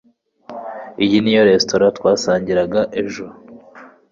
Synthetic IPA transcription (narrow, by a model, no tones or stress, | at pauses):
ijinijoɾe̞sto̞ɾatwaːsaːɲɟiɾaɡaʔeʒuɾo